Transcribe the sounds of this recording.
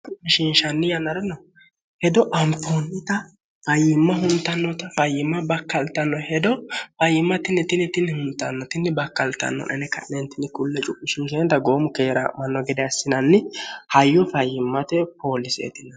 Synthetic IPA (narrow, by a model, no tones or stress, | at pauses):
t͡ʃʊɪʃinʃɐnːɪjɐnːɐɾɛnɔ | hɛd̪ɔʔɐmtoːnːɪt̪ɐ | fɐjːɪmːɐɦʊnt̪ːɐnːɔt̪ɐfɐjɪmːɐbɐkːɐlt̪ːɐnːɔhɛd̪ɔfɐjɪmːɐt̪ɪnːɛt̪ɪnːɛt̪ɪnːɪhʊnt̪ːɐnːɔt̪ɪnːɪbɐkːɐlt̪ɐ̰nːɔ̰nʔɛnɛkɐʔnɛnt̪ːɪnːɪkʊlːɛt͡ʃʼʊpʼːɪʃɪnʃ̬ɛnt̪ɐɡo̞ːmʊkeːɾɐ̰mɐnːɔɡɛd̪ɛɐsːɪnɐnːɪhɐjːɔfɐjɪmːɐt̪ɛpoːlɪsḛt̪ɪnɐ